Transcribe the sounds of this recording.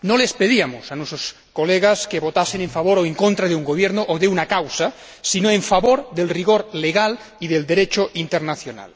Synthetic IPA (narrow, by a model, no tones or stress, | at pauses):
nolespeðiamosanwesos | koleɣ̞askeβot̪aseneɱfaβ̞oɾoeŋkont̪ɾaðeuŋɡoβ̞jeɾnoʔoðeunakawsa | sinoeɱfaβoɾðelriɣ̞oɾleɣal | iðeld̪e̞ɾet͡ʃoʔint̪eɾnaθjona̰l